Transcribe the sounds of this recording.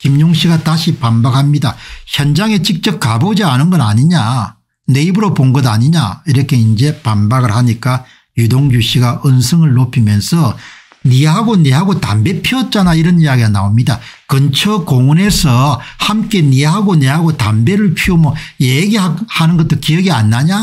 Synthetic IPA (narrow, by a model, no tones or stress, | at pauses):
kimɲoŋɕʰiɡataɕʰipambak̚hamɲidaçjʌnd͡ʑaŋe̞t͡ɕik̚t͡ɕ͈ʌp̚kabod͡ʑianɯnɡʌnaɲiɲa | ne̞ibɯɾoponɡʌdaɲiɲa̰iɾʌkʰe̞ind͡ʑe̞panbaɡɯɭhaɲik͈a | judoŋɡuɕʰiɡaɯnsʰɯŋɯɭːopʰimjʌnsʰʌ | niɦaɡoneɦaɡota̰mbe̞pʰiʌt̚t͡ɕ͈anaiɾʌnijaɡiɡana̰omɲida̰kɯnt͡ɕʰʌkoŋune̞sʰʌhamk͈e̞niɦaɡone̞ɦaɡotambe̞ɾɯɭpʰiomʌjeɡiahanɯnɡʌt͈̚okiʌɡianːaɲa